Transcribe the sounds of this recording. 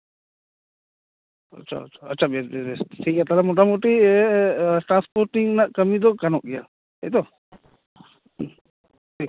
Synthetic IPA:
ə̰t͡ʃʰa̰t͡ʃʰaətːt͡ʃʰabɛsbɛsbɛsʈʰikat̪alamɔʈamɔʈi | ʈɾanspɔɾʈiŋnaʔkəmid̪ɔkanɔʔ̚ɡɛja | ɛjt̪ɔ | i

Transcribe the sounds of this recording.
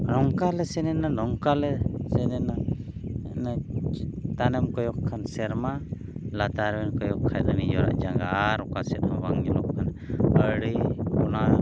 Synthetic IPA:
nɔŋkalɛsɛnɛnanɔŋkalɛsɛnɛna | na | t̪anɛmkɔjɔkʰːansɛɾma | lat̪aɾwɛnkɔjɔkʰːajd̪anid͡ʒɔɾa̰ʔd͡ʒaŋɡaɾɔkasɛt̪̚abaŋilɔkkʰan | əɽikɔna

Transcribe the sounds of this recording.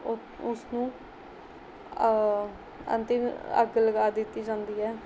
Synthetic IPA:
ʊsnũː | ə̰nt̪ɪmə̰ɡləɡaːd̪ɪt̪ːiːd͡ʒãːnd̪iːɦɛː

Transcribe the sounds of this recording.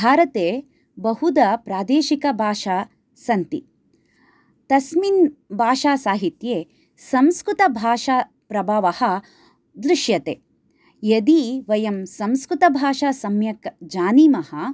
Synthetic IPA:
bʱaːɾɐt̪eː | bɐɦud̪ɐpɾaːd̪eːʃikɐbʱaːʃaː | sɐnt̪ḭ | t̪ɐsminbʱaːʃaːsaːɦit̪jeː | sɐ̃mskɾut̪ɐbʱaːʃaː | pɾɐbʱaːʋɐhɐ̆ | d̪ɾiʃjɐt̪eː | jɐd̪iʋɐjɐmsɐ̃mskɾut̪ɐbʱaːʃaːsɐmjɐkd͡ʒaːniːmɐhɐ

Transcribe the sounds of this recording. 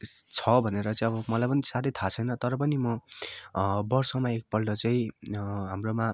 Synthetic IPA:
t͡sʰʌbʱʌneɾʌt͡saĩʌbʌmʌlajpʌnisaɾʌjt̪ʰat͡sʰʌjnʌt̪ʌɾʌp̬ʌnimʌ | bʌrsʌmaek̚pʌlɖʌt͡saĩɦamroma

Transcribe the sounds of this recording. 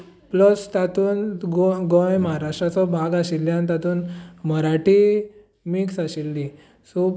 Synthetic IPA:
pləst̪at̪uːnɡoɡõjməɦaɾaʂʈɾat͡sɔbʱaɡaɕilːjãnit̪at̪uːnməɾaʈi | miksaɕilːi | su

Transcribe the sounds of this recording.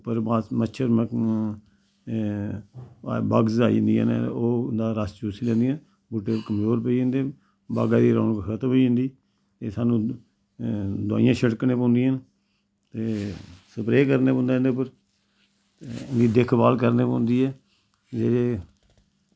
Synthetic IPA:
pəɾaməʃʰəɾm | ba̰ːɡzaːĩnd̪ia̰ːnoːnd̪aːɾast͡ʃuːsiːlɛ̃ːnd̪iːãː | bʊʈːeːlkəmzoːɾpəiːẽnd̪eː | ba̰ːɡaːd̪iːɾo̰ːnkkʰət̪əməiə̃nd̪iː | t̪eːsaːnũː | d̪ʊa̰ːɪjãːʃʰəʈknẽːpõːnd̪ĩjən | t̪eːsəpɾeːkəɾneːõːnd̪ãːnd̪eːpəɾ | nd̪iːd̪ekʰbaːlkəɾneːpõ̰ːnd̪iːɛː | d͡ʒeːɾeː

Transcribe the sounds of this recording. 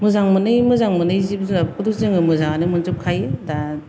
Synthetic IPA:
mɯzaŋmɯnɯjmɯzaŋmɯnɯjzibzakɯtuzɯŋɯmɯzaŋanɯmɯntup̚kʰajeda

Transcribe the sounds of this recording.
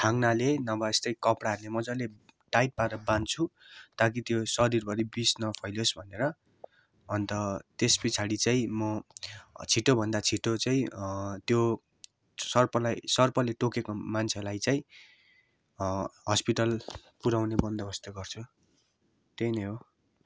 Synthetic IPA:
ʈʰaŋnalenʌbaest̪ʌjkʌpɽaɦʌɾulemʌd͡zʌle | ʈajʈ̚paɾʌbant͡sʰu | t̪ak̬it̪josʌɾirbʱʌɾibisnʌpʰʌjlosbʱʌneɾʌː | nt̪ʌt̪espit͡sʰaɽit͡saĩmʌ | t͡sʰiʈobʱʌnd̪at͡sʰiʈot͡sãĩt̪jo | sʌrpʌlajsʌrpʌleʈokekomant͡sʰelajt͡saĩ | ɦʌspiʈʌlpuɾawnebʌnd̪ʱʌbʌst̪aɡʌrt͡sʰu | t̪ejnʌɦo

